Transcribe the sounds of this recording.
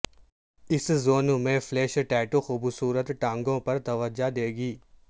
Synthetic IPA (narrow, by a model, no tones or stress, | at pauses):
ɪszoːnmẽfleːʃʈɛːʈoxuːbsuːɾət̪ʈãːŋɡõpɐɾt̪ɐʋəd͡ʒad̪eːɡiː